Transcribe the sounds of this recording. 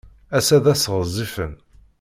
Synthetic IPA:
æsæðæsʁəzˤifən

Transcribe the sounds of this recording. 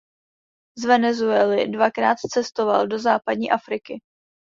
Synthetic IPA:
zvɛnɛzuɛlɪdvakɾaːt̪t͡sɛst̪o̞va̰ldo̞zaːpad̚ɲiːʔafɾɪkɪ

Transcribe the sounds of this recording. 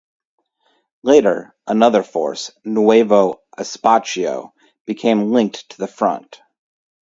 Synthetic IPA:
leɪɾə̰˞ | ʔənʌðə˞fɔ̰ɹsnueɪvoʊʔɨspɑt͡ʃioʊ | b̥ɨkʰẽɪ̃mlɪ̃ŋk̚tʰəðɨfɹʌ̰̃nt

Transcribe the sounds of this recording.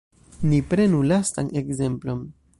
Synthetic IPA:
nipɾe̞nulasta̰nʔe̞ɡze̞mplo̞m

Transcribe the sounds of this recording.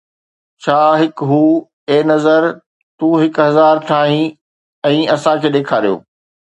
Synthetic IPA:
t͡ɕʰaːɦɪkɦuː | eːnɐzəɾ | t̪uːɦɪkɦɐzaːɾʈ̪ʰaːɦĩ | ɛ̃ːɐsãkʰeːɗeːkʰaːɾijo̰ː

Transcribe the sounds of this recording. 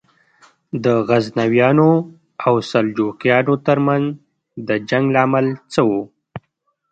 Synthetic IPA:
d̪əɣaznawjɑno | awsald͡ʒoqjɑnot̪əɾmanz | d̪əd͡ʒaŋɡlamalt͡səwo

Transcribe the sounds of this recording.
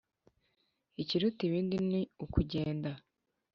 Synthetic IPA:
iciɾutiβiːndiniukuɟe̞ːnda

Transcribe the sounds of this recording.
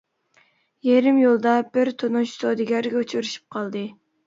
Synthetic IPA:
jeɾɪmjolˠd̪ɑb̥ɪɾt̪ʰonuʃsod̪ɪɡʲæɾɡʲɛut͡ʃʰɾyʃi̥p̚qʰɑlˠd̪ɨ

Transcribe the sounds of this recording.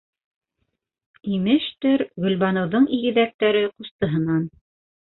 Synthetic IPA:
imɘʃt̪ɵɾɡɵ̆lʲβɑnɤ̆wðɤɴiɡɘ̆ðæk̚t̪æɾɘqust̪ɤ̆ɦɤ̆nɑn

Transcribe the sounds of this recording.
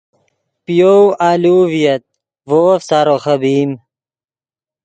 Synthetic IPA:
pijowaːluːvijɐt̪̚ | voːfsaːɾoxɐbiːm

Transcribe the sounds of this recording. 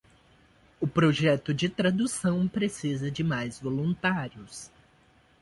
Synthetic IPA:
ʊpɾoʒɛt̪ʊd͡ʒɪt̪ɾad̪usɐ̃w̃pɾesizɐd͡ʒɪmajzvolũnt̪aɾjʊs

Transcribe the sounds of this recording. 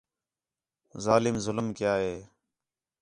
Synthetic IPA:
zaːlɪmzʊləmkɪjaːɦeː

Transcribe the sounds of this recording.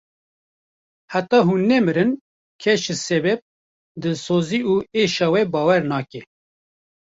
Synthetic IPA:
hat̪ɑːɦuːnːɛmɨɾɨn | kʰɛʃɨsɛbɛp̚ | d̪ɨsoːziːuːeːʃɑːwɛbɑːwɛɾnɑːkɛ

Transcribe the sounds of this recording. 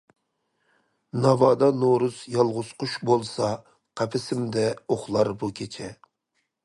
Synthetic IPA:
nɑvɑːd̪ɑnoɾuzjɑlˠʁʊz̥qʰʊʃbolˠsɑ | qʰɛpʰɪsɪmd̪ɛoχlˠɑɾbukʲʰet͡ʃʰɛ

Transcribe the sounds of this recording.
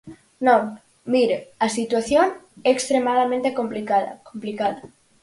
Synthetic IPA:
nõw | miɾeasit̪waθjonɛːkst̪ɾemaðamẽnt̪ekomplikaða̰komplikaða

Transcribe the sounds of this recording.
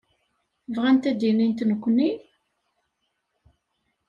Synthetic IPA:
vʁænt̪æd̪inint̪nəkʷːni

